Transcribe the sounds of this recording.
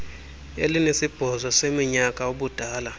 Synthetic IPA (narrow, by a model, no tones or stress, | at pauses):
ḛlinesib̥ʱɔzɔsemiɲakʼauɓud̥ʱaːla